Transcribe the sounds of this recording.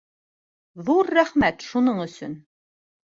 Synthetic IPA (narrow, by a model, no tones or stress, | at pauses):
ðuɾːæχmæt̪ʃunɤɴɵ̆sɵ̰n